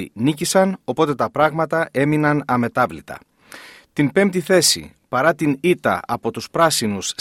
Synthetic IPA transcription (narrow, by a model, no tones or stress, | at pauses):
inicisɐno̞po̞t̪e̞t̪ɐpɾɐɣmɐt̪ɐe̞minɐnɐme̞t̪ɐvlit̪ɐ̰ | t̪inpe̞mt̪iθe̞sḭ | pɐɾɐt̪init̪ɐ̰ɐpo̞t̪uspɾɐsinus